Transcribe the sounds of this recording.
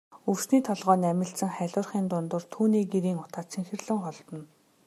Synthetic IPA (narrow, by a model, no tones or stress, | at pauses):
ɵwsniːt̪ʰɔɮʁœːnæmʲɪ̆ɬt͡sə̆ŋχæɮʲʊːrχiːnt̪ʊnt̪ʊ̆rt̪ʰuːniːɡeɾiːŋʊ̥t̪aːt̪sʰiŋxɘ̆rɮɘ̆ŋχɔɮt̪ɞ̆n